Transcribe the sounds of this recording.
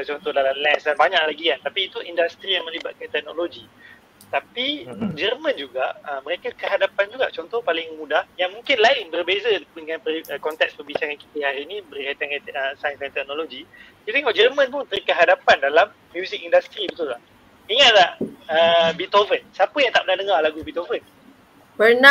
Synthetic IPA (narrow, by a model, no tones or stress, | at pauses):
at͡ʃɔnt̪ɔhdalamlɛnsdanbaɲaʔlaɡikant̪apiːt̪uʔindast̪ɾijaŋmə̃libat̪̚kant̪ɛk̚noloɡi | t̪apid͡ʒərmə̃nd͡ʒuɡaʔəmə̃ɾekakəɦadapand͡ʒuɡa̰ʔt͡ʃɔnt̪ɔhpalɪŋmudahjaŋmũŋkɪnlaɪnbərbezədəŋãnpəəkɔnt̪ɛk̚spəbit͡ʃaɾanki̥t̪əɦaɾinĩbərkat̪aŋaəsajənsajnt̪ɛk̚noloɡi | kit̪ɛŋɔʔd͡ʒərmə̃npʊnt̪ərikəɦadapandalamːjuzɪk̚indast̪ɾibət̪ulah | iŋaʔlahəbit̪ovənsapəjaŋt̪aʔpənadəŋalaɡubit̪ovən | pəna